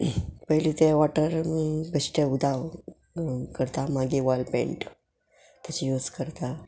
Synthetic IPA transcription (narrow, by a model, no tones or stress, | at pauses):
pəɦlit̪ɛʋaʈəɾɡəsʈeud̪ʱaʋ | kəɾt̪amaɡiʋalpḛ̃ɳʈ | t̪at͡ɕijud͡zkəɾt̪a